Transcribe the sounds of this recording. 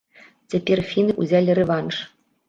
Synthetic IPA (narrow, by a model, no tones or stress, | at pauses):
t͡sʲepʲerfʲinɨʔṵzʲælʲɘrʲeʋɑnʂ